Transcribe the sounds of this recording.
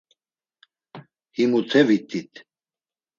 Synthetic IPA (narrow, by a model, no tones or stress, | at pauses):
himut̪ʰɛvit̪ʰʼit̪ʰ